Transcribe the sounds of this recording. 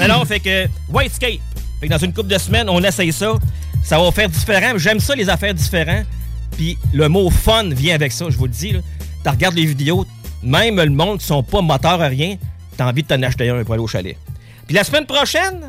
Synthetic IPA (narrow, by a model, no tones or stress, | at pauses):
mɛnɔ̃fɛkə | wajt̪skʲeɪt̪̚ | fɛk̚d̪ãzynkʊp̚d̪əsmɛnɔ̃nasɛjsɔ | savɔfɛːʁd̪zifeʁɑ̃mɛʒɛmsʌlezafɛːʁd̪ifeʁɑ̃ | piləmofɔnvjɛ̃avɛksɔʒəvuld͡zilɔt̪aʁɡaʁd̪levid̪eo | mɛ̃ɪ̃mləmɔ̃d̪̚kʲi̥sɔ̃pɔmɔt̪œːʁaʁjɛ̃ | t̪aɑ̃ːvid̪̚t̪ɑ̃naʃt̪ajɛ̃ɛpuʁaleoʃa̰lɛ̰ | pilasmɛnpʁɔʃɛn